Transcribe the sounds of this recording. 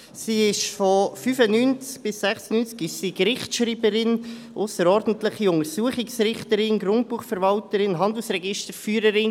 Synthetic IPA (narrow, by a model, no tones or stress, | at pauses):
siːɪʃfɔfyːfənynt͡sk̚b̥ɪsːɛχsənyːnt͡skɪʃsiːkɾɪχtʃɾiːbəɾɪn | ʔʊsəɾɔɾd̥n̩tlɪχiʊŋəɾsuəχɪksɾɪχtəɾɪnɡɾʊnt̚buːχfɛɾvɑltəɾɪnɦɑnd̪l̩sɾɛɡɪʃtəɾfyːɾəɾɪn